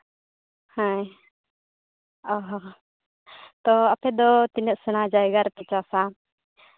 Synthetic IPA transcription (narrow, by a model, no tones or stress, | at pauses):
hãj | ɔɦɔ | t̪ɔapɛd̪ɔt̪inəʔsuñad͡ʒajɡaɾp̪ɛt͡ʃasa